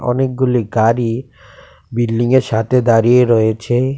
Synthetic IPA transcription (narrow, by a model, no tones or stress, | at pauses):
ɔ̰nek̚ɡuliɡaɾi | bilːiŋeɾʃat̪ʰed̪aɾieɾɔet͡ɕʰe